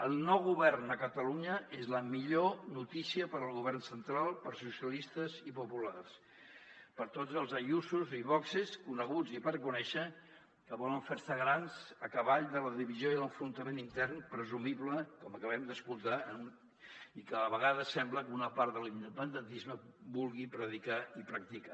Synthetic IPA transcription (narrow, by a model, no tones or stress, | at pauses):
əlˠnɔwɣuβɛrnəkət̪əluɲəezləmiʎonut̪isiəpəɾəlˠɣuβ̞ɛrnsənt̪ɾalˠpəɾsusiəlist̪əzipupulars | pəɾt̪od͡zəlˠzəjusuziβɔkseskunəɣ̞ud͡zipəɾkunɛʃə | kəβɔləɱfeɾsəɣɾanzəkəβaʎd̪ələðiβizioiələɱfɾunt̪əmenint̪ɛrnpɾəzumiβləkɔməkəβ̞ɛmd̪əskulˠt̪aənun | ikəəβəɣaðəsɛmbləkunəpaɾt̪ðəlind̪əpənd̪ənt̪izməbulˠɣipɾəðikaipɾək̚t̪ika